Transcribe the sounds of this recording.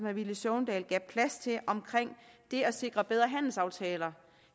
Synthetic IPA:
mæʋiləsɔʊnd̥ɛ̰ːlɡ̥ɛpʰlæst͡sʰe̝ʔɒ̽mkʰʁeŋ̰d̥e̝ɒse̝ɡ̥ʁɐb̥eð̞ˠʁɐɦæn̰l̩sɑ̈ʊt͡sʰɛːlɐ

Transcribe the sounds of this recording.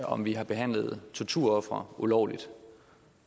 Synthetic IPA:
ɒ̽mʋiɦɑ̈b̥e̝ɦæn̰ləð̩ˠt͡sʰoɐt͡sʰuɐ̰ɒ̽fʁɐulɒʊ̰lid̥

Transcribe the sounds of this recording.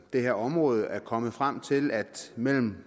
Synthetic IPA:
d̥e̝heɐ̰ɒ̽mʁɔ̽ːð̞̩ˠæɐkʰɒ̽məð̩ˠfʁam̰t͡sʰe̝læd̥mel̰m̩

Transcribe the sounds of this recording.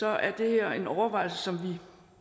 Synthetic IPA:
ɒ̽æɐd̥e̝heɐ̰e̝nɒʊɐʋɑ̈ɪlsəsɒ̽mʋi

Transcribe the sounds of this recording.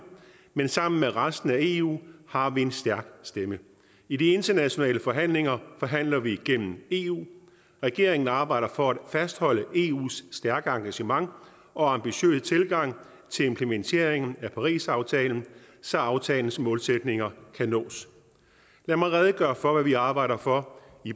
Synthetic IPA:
mensɑ̈m̰n̩meʁasd̥n̩æe̝ːṵːhɑ̈ʋie̝nsd̥æɐɡ̥sd̥emə | id̥ie̝nd̥ɐnæɕo̝nɛ̰ːləfɒ̽ɦæn̰le̝ŋɐfɒ̽ɦæn̰lɐʋiɡ̥en̰m̩e̝ːṵː | ʁɛɡ̥e̝ɐ̰e̝ŋn̩ɑ̈ːb̥ɑ̈ɪ̰d̥ɐfɒ̽æd̥fæsd̥hɒ̽l̰əʔe̝ːṵːsːd̥æɐɡ̥əɑ̈ŋɡ̥æɕəmɑ̈ŋ | ɒ̽ɑ̈mb̥iɕø̰ːsət͡sʰe̝lɡ̥ɑ̈ŋ̰ | t͡sʰe̝lempʰlement͡sʰe̝ɐ̰eŋn̩æpʰɑ̈ʁḭːsɑ̈ʊt͡sʰɛːln̩ | sɒɑ̈ʊt͡sʰɛːln̩smɔ̽ːlsed̥ne̝ŋɐkʰænɔ̰̽ːs | læmɑ̈ɪʁɛð̞ˠəɡ̥ɶːɐfɒ̽ʋæʋiɑ̈ːb̥ɑ̈ɪ̰ɾ̥ɐfɒ̽ | i

